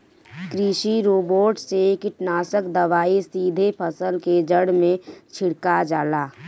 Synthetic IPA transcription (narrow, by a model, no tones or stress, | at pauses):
kɾiʃiɾoːboːʈsekɪʈnaːsəkd̪əʋaːisiːd̪ʱepʰəsəlked͡ʒəɽ̤mẽt͡ʃʰɪɽkad͡ʒaːlaː